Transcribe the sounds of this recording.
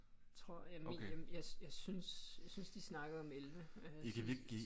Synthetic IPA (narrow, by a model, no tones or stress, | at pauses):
t͡sʰʁo̝ɐ̰jæmjɑɪjɑ̈ɪsynsjɑɪsynsd̥isnɑ̈ɡ̥ð̩ˠɒ̽melʋəø̥ekʰæʋieɡ̥ɡ̥ḭ